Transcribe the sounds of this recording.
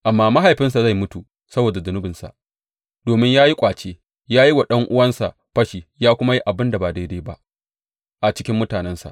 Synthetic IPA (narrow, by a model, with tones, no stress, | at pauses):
ʔa˨mːaː˦ma˦ɦa˨jɸɪ˦ns̬a˨za˦˨jmʊ˦tu˨ | sɐ˦boː˨da˨zʊ˨nʊ˦bɪ˨nsa̰˨ʔ | doː˨mɪ˦ɲjaː˦ji˦kʷʼaː˨t͡ʃeː˦ | jaː˦ji˦wa˨ɗɐ˦ŋʔʊ˦wɐ˦nsa̰˨ʔ | ɸɐ˦ʃiː˨jaː˦kʷʊ˦ma˦ji˦ʔa˨bɪ˦nda˨baː˨da˦deː˦ba˦ʔ | ʔa˨t͡ʃɪ̥˦kʲɪ˦mːʊ˦taː˨nɛ˦nsa̰˨ʔ